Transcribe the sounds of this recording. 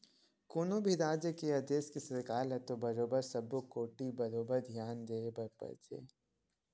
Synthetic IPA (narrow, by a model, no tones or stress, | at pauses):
kʊnobʱiɾaːd͡ʒekeɐd̪eːskesɐɾkaːlɦɛt̪obɐɾoːbəɾsɐbokoːʈibɐɾoːbəɾd̪ʱjaːnd̪eːbɐɾpɐ̰ɾd͡ʒḛː